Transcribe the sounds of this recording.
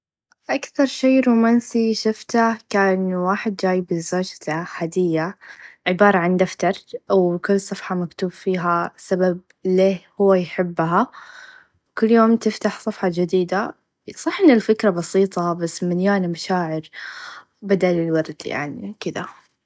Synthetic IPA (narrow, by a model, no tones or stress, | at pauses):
ʔakθɑɾˤʃeːɾuːmaːnsiʃʊft̪akaːnwaːħɪd̪̚d͡ʒaːjbɪzaːd͡ʒt̪aħaːd̪ɪjːaʕɪbɑːɾˤɑʕand̪aft̪ɑɾˤwkʊlːsˤɑfħɑmakt̪uːbfiːɦasabab | leːhʊwːajħɪbːɦa | wkʊlːjoːmt̪ɪft̪aħsˤɑfħɑd͡ʒɪd̪iːd̪a | sˤɑħʔɪnːɪlfɪkɾˤɑbɑsiːt̪ˤɑbasːmaljaːnmaʃaːʕɪɾ | bad̪alɪlwɑɾˤd̪ja̰ʕnḭkɪd̪a̰